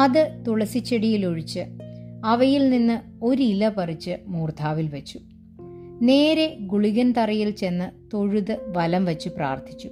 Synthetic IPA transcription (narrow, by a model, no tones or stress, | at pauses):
ɐðɨt̪uɭɐsit͡ɕːeɽijiloɻit͡ɕːɨɐʋɐjilninːɨ | o̞ɾilɐpɐrit͡ɕːɨmuːrt̪ʰaːʋilʋɐt͡ɕːu̥ | ne̞ːɾe̞ɡuɭiɣɐnt̪ɐrɐjilt͡ɕe̞nːɨt̪o̞ɻuðɨʋɐlɐmʋɐt͡ɕːupra̰ːrt̪ʰit͡ɕːu